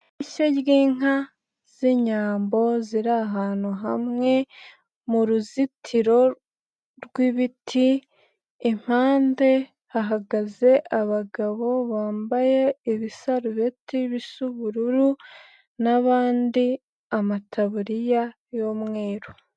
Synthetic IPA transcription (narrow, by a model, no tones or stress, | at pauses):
iʃeɟɡiːŋa | z̥eɲaːmbo̞ziɾaɦaːnuɦamŋe̞ | muɾuzitʰiɾo̞ | ɾwiβitʰi | em̥haːnde̞ | haɦaɡaze̞ʔaβaɡaβo̞βaːmbaje̞ːβisaɾuβetiβisuβuɾuɾu | naβaːndi | amatʰaβuɾija | jo̞mŋwe̞ːɾu